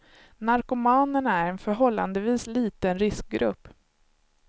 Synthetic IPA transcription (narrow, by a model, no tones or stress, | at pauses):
naɾkʊmɑːnənæɾɛnfœɾɦɔlːa̰nd̪əviːsliːt̪ənɾɪsk̚ɡɾɵ̰pː